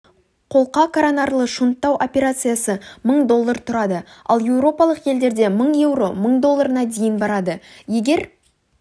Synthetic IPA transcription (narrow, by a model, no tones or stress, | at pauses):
qʰo̞lˠqɑkʰaɾanɑɾlˠəʃunt̪ːɑwʔopʲe̞ɾat̪sɨjasəməɴd̪o̞lˠːəɾt̪ʰʊɾɑd̪əɑ̰lˠje̞wɾo̞pɑlˠəqje̞ld̪e̞ɾd̪e̞məɴje̞wɾo̞məɴd̪o̞lˠːaɾənɑd̪ejənbɑɾɑd̪əje̞ɡʲe̞ɾ